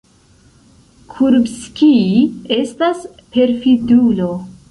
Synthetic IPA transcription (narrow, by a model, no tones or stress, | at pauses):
kʰuɾbskie̞stas | pe̞ɾfidulo̞